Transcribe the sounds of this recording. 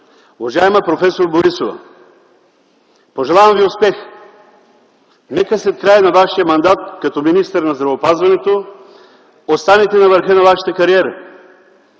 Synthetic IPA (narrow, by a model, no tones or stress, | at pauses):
ʊvɐʒaɛmɐpɾofɛsoɾboɾisovɐ̰ | poʒɛlˠavɐmviʊspɛx | nɛkəslɛt̪̚kɾajənɐvaʃijəmɐnd̪at̪̚kɐt̪ɔminist̪əɾnɐzd̪ɾɐvopazvɐnɛt̪o | ot̪st̪anɛt̪ɛnɐvəɾxənɐvaʃɐ̥t̪əkɐɾiɛɾə